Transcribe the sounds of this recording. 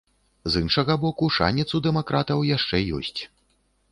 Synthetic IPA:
zinʂɐɣɐbɔkuʂa̰nʲit̪sud̪ɛmakɾat̪ɐwjaʂt͡ʂɛjɔ̰sʲt͡sʲ

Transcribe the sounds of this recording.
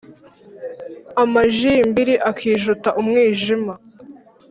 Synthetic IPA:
amaʒimbiɾiʔakʰiːʒutaʔumŋiːʒima

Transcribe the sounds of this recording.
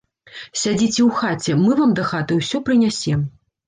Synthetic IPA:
sʲad͡zʲit͡sʲɛwxat͡sʲɛmɨvamd̪ɐxat̪ɨwsʲɔpɾɨnʲasʲɛm

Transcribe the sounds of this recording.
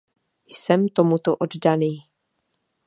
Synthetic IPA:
jsɛmt̪o̞mut̪oʔo̞ddaniː

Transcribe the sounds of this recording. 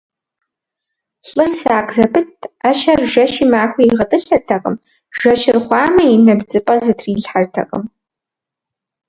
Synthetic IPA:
ɬʼɨrsaːqʼzɐpʰɨtʰaʃɐrʒɐʃimaːxʷiiʁɐtʼɨɬɐrtʰɐqʼə̰m | ʒ̥ɐʃɪrχʷɑːmɐinɐbd͡zɨpʼɐzɨtʰriːɮħartʰɐ̰qʼə̰m

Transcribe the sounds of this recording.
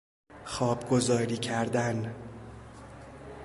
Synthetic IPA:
xɒːbɡo̞zɒːɾiːcʰæɾd̪æn

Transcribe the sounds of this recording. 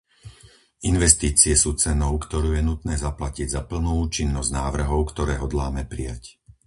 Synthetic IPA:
inʋɛst̪iːt͡siɛsuːt͡sɛnɔʊkt̪ɔɾuːjɛnut̪nɛːzaplaciɟzapl̩nuːuːt͡ʃinːɔzɟnaːʋr̩ɦɔʊkt̪ɔɾɛːɦɔd̪laːmɛpɾija̰c

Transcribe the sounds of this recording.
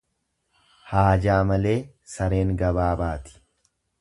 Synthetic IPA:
haːd͡ʒaːmɐle̞ː | sɐɾe̞ːŋɡɐbaːbaːt̪ɪ̥

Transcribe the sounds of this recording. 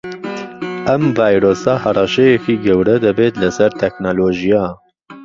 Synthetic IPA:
ʔɛmvɑːjɾoːsɑːhɑrˤɑʃɛjɛkiːɡɛwɾɛd̪ɐbeːt̪lɐsɛɾt̪ʰɛknoloːʒijɑː

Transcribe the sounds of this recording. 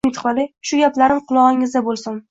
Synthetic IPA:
ɪt̪χɒlɪʃʊɡʲaplaɾɪmqʰʊlˠɒʁɪŋɪzd̪abolˠsʊn

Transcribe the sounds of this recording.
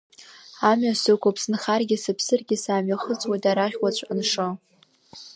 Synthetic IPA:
amɥasɨkʷapʰsɨnχarɡʲɪsɨpʰsɨrɡʲɪsaːmɥaχət͡sʼwadaɾaχʲwat͡ɕʷʰʼanʂɨ

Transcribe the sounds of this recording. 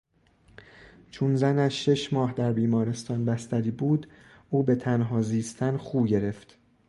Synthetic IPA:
t͡ʃʰonzænæʃːe̞ʃmɒːhd̪æɾbiːmɒːɾe̞st̪ʰɒːnbæst̪æɾiːbuːd̪ | ʔuːbe̞t̪ʰænɦɒːziːst̪ʰænxuːbɟe̞ɾe̞ft̪

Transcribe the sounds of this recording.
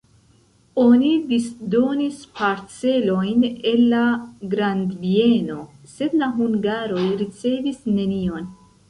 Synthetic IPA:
o̞nidisdo̞nispaɾt͡se̞lo̞jne̞nːaɡɾandvie̞no̞se̞dlaɦuŋɡaɾo̞jɾit͡se̞visne̞nio̞n

